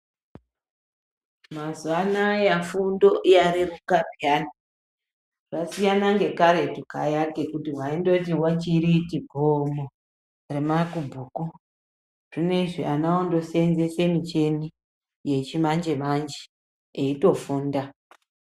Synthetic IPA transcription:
mazwanajafundo̞ʔjaɾirukarjana | rasijanaŋɡe̞kaɾe̞tukajake̞kutiwaindotiwat͡ʃiɾitiɡʱomo | remakubʱuːku | r̥ine̞ʐianaondo̞senzese̞mit͡ʃe̞ni | je̞t͡ʃimand͡ʒe̞mand͡ʒe̥ | eito̞fuːnda

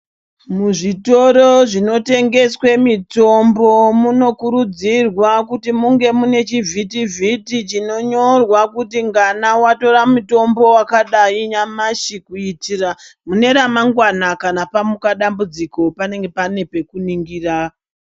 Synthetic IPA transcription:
muʐito̞ɾoʐino̞te̞ŋɡe̞swemito̞mbo̞muno̞kuɾud͡zirwakutimuŋɡe̞mune̞t͡ʃivʱitivʱitit͡ʃino̞ɲo̞rwakutiŋɡanawato̞ramuto̞mbo̞wakaɗaiɲamaʃikuitiːramune̞ɾamaŋɡwanakanapamukaɗambud͡ziko̞pane̞ŋɡe̞pane̞pe̞kuniŋɡira

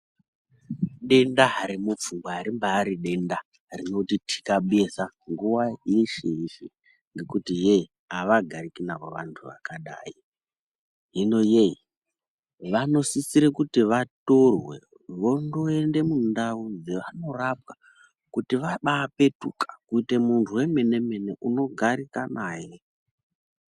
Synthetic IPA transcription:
ɗe̞ndaɦaɾimup͡fuŋɡwaaɾimbaːɾiɗe̞nda | rino̞titʰi̥kaɓuesaŋɡuwaiʃiiʃi | ŋɡe̞kutije | aʋaɡʱaɾikinaʋoʋantʰuʋa̰kaɗa̰ːi | ɦino̞jei | ʋano̞sisiɾekutiʋato̞rwḛ | ʋo̞ndoe̞nde̞mundaud͡zeʋano̞rap̚ka | kutiʋaɓaːpe̞tukḁkuite̞muntʰuwe̞me̞ne̞me̞neʔuno̞ɡʱaɾikanaje

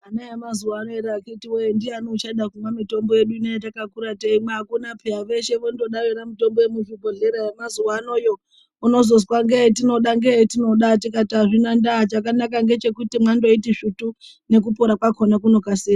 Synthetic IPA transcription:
anajemazuwaːnoeɾaakitiwendianot͡ʃaɗakumwamito̞mbo̞je̞ɗuinejetakakuɾateimweakunapʰejaʋe̞ʃe̞ʋondo̞ɗaweɾamito̞mbojemuvubʱoɮeɾajemazuwaːno̞jo̞ | uno̞zo̞s̬waŋɡet̬ino̞ɗaŋɡeetino̞ɗatik̬atiaʐinandaɦat͡ʃakanakaŋɡe̞t͡ʃe̞kutimwandoitiʂutu | ne̞k̬upoɾakwakʰonak̬uno̞kaseː

